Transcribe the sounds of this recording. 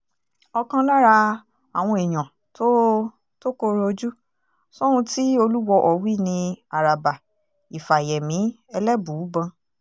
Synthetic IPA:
ɔ˧kã˧la˦ɾa˧ | a˨w̃ɔ̃˧ɛ˨j̃ã˨ | to˦ | to˦ko˧˦ɾo˧d͡ʒu˦ | so˦ɾũ˧ti˦o˧lu˦wɔ˧ʔɔ˨wi˦˨nĩ˧a˨ɾa˨ba˨ | i˨fa˨jɛ˨mĩ˨˦ | ɛ˧lɛ˦bu˨˦˨bã˧

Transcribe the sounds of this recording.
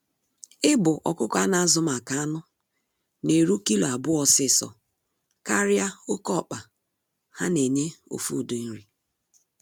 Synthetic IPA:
ɪ˦bʊ˨ʔɔ̰˨kʊ˦kʷa˦na˨a˦zʊ˦ma˨ka˨a˦nʊ˦ | ne˨ɾu˦ki˦lo˨a˨bʊ˦ɔ˨sɪ˦˨sɔ̰˨ | ka˦ɾja˦ʊ˦kɔ˦˨k͡pa˨ | ha˦ne˨ɲe˦o̰˦fṵ˦˨du˨n̩˦ɾi˨

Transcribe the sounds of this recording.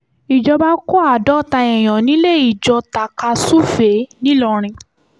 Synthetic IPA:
i˨d͡ʒɔ˧ba˦kɔ˦a˦˨dɔ˦ta˧ɛ˨j̃ɔ̃˨nĩ˨˦le˦˨i˨d͡ʒɔ˧ta˨ka˧su˦fe˨˦nĩ˦lɔ˧ɾ̃ĩ˧

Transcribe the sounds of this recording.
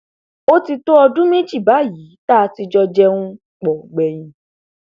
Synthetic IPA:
o˦ti˧to˦ɔ˧dũ˦me˦d͡ʒi˦˨ba˨˦ji˨˦ta˦˧ti˧d͡ʒɔ˧d͡ʒɛ˦ũ˦ | k͡pɔ˨ɡ͡bɛ˨j̃ĩ˧

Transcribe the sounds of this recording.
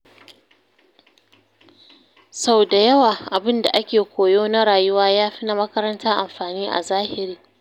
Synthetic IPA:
sa˦wda˨jɐ˦waː˨ʔa˨bɪ˦nda˨ʔa˦kʲeː˨kʷoː˨joː˦na˦ɽaː˨jʊ˦waː˦jaː˦ɸi˦na˦mɐ˦kɐ˦ɾɐ˦ntʰaː˦ʔa˨mɸaː˨niː˦ʔa̰˨zaː˦hɪ˨ɾiː˦

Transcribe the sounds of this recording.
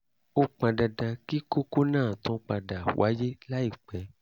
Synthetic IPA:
o˦k͡pã˧da˧da˧ki˦ko˦ko˦nãː˦˨tɔ̃˨˦k͡pa˧da˨wʔa˨˦je˦la˦i˦˨k͡pɛ˨˦

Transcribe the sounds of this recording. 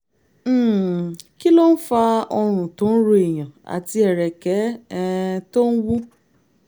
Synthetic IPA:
ki˦lo˦n̩˦fa˧ɔ˧ɾ̃ʊ̃˨tʊ̃˨˦ɾo˧e˨jã˨a̰˨ti˧ɛ˨ɾɛ˨kɛ˨˦ | to˦n̩˦wu˦

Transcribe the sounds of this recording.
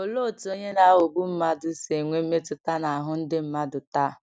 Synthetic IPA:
o˨lo˦˨to˦ɲe˦na˨˦o˨ɡ͡bu˦m̩˦ma˦dʊ˨se˨ŋʷe˦me˦tʊ˨ta˦na˨a˨ɦʊ˦n̩˦dɪ˦m̩˦ma˦dʊ˨ta˦

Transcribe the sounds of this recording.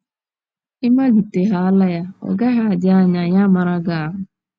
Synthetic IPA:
ɪ˦ma˦ɡi˨te˨ɦa˨a˦la˦ja˦ɔ̰˨ɡa˦ɦa˨a˨dɪ˦a˦ɲa˨ɲa˦ma˨ɾa˦ɡa˨a˨ɦʊ˨

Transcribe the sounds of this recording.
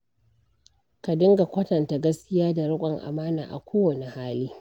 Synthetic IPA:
ka˨dɪ˦ŋɡa˨kʷɐ˦tɐ˨nta˨ɡɐ˦skʲɪ˦jaː˦da˨ɽʊ˦kʷʼɐ˨ŋʔa̰˨maː˦naː˨ʔa̰˨kʷoː˦wɐ˨ne˨haː˦liː˦

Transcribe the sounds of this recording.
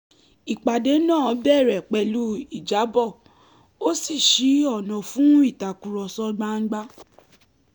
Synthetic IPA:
i˨k͡pa˨de˨˦nãː˦˨˦bɛ˦˨ɾɛ˨k͡pɛ˨˧lu˦i˦˨d͡ʒa˨˦bɔ˦˨ | o˦si˦˨ʃi˨˦ɔ˦˨nɔ̃˨fũ˦i˦˨ta˨ku˨ɾɔ˧sɔ˦ɡ͡ba˦ŋ̩˦ɡ͡ba˦

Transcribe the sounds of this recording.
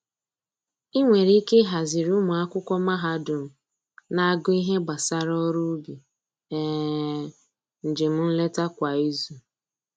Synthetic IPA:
i˦ŋʷe˨ɾi˦ke˦ɦa˨zɪ˨ɾʊ˦mʊ˨a˦kʷʊ˦kʷɔ˦ma˦ɦa˦dʊ˨m̩˨ | na˦a˦ɡʊ˦i˦ɦe˦ɡ͡ba˨sa˦ɾɔ˦ɾu˦bi˨ | ɛ˨ | n̩˨d͡ʒɪ˨m̩˦n̩˦le˦ta˦kʷa˨i˦zu˨

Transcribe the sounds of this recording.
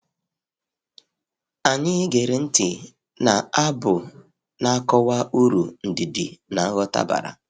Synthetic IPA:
a˨ɲɪ˦ɡe˨ɾe˨n̩˦tɪ˨ | na˨a˦bʊ˨ | na˦kɔ˦wa˦u˦ɾu˨n̩˨di˨di˨na˨˦ɣɔ˦ta̰˦ba̰˨ɾa̰˨

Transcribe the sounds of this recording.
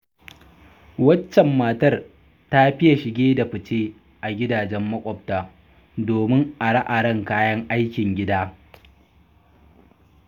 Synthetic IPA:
wɐ˦t͡ʃːɛ˨mːaː˨tɐ˦r | ta˦ɸɪ˦ja˨ʃɪ˨ɡʲeː˦da˨ɸɪ˨t͡ʃeː˦ | ʔa˨ɡʲɪ˦daː˨d͡ʒɛ˦mːɐ˦kʷʼɔ˨p̚taː˨ | doː˨mɪ˦ŋʔa˨ɽɐ˦ʔa˨ɽɐ˦ŋkaː˦jɐ˦ŋʔa˦jkʲɪ˨ŋɡʲɪ˦daː˦

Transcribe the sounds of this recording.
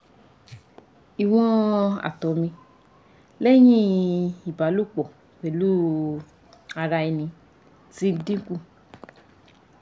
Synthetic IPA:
i˨w̃ɔ̃˦a̰˨tɔ˨˦mĩ˧ | lɛ˦j̃ĩ˦i˨ba˨˦lu˦˨k͡pɔ˨ | ke˨lu˦ | a˧ɾa˧i˧nĩ˧˦ | ti˦dĩ˦ku˦˨

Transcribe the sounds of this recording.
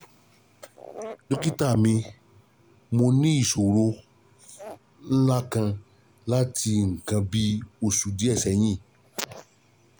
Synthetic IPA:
do˦ki˦ta˦˨mĩ˧ | mo˧nĩ˦i˦˨so˨ɾo˧˦ | n̩˦la˦kã˧ | la˦ti˧ŋ̩˨kã˧bi˦o˨su˨di˨˦ɛ˦˨sɛ˨j̃ĩ˦˨

